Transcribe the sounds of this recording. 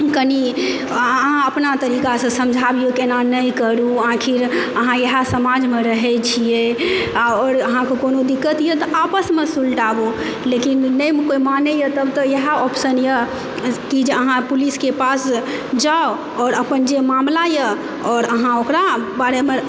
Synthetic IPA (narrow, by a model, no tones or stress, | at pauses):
kəni | əɦãəpnat̪əɾikasə̃səmd͡ʒʱabijokenanəjkəɾuãkʰiɾəɦãjəɦasəmad͡ʒmeɾəɦɛt͡ʃʰie | ɔːɾəɦãkekonod̪ikːət̪jət̪ɔapəsmesulʈabo | lekinːəjmkoimanejət̪əbt̪ɔjəɦaɔpsənjə | kid͡ʒeəɦãpuliskepas | d͡ʒao | ɔːɾəpənd͡ʒemamlajə | ɔːɾəɦãokɾabaɾeme